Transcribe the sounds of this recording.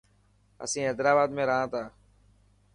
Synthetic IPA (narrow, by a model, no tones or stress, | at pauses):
ə̰sĩːɦeːd̪ɾaːbaːd̪mẽːɾəɦãːt̪aː